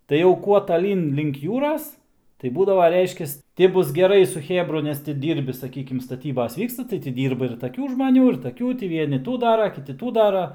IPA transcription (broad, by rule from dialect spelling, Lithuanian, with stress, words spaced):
tɐɪ jɛʊ ˈkuɔ tɐˈlʲiːn lʲɪŋk ˈjuːrɐs tɐɪ ˈbuːdɐʋɐ ˈrʲɛɪʃʲkʲɛs ˈtʲɪ ˈbʊs ɡʲɛˈrɐɪ sʊ ˈxʲeːbrʊ ˈnʲɛs tʲɪ ˈdʲiːrʲbʲɪ sɐˈkʲiːkʲɪm stɐˈtʲiːbɐs ˈʋʲiːkstɐ tɐɪ tʲiː ˈdʲiːrbɐ ɪr tɐˈkʲuː ʒmɐˈnʲuː ɪr tɐˈkʲuː ˈtʲiː ˈʋʲiɛnʲɪ ˈtuː ˈdɑːrɐ ˈkʲɪtʲɪ ˈtuː ˈdɑːrɐ